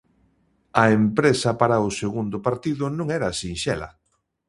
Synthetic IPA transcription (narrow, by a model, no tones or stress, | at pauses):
ɐempɾesɐpaɾɐʊseɣund̪ʊpaɾt̪iðʊnũŋɛɾɐsinʃɛ̰lɐ̰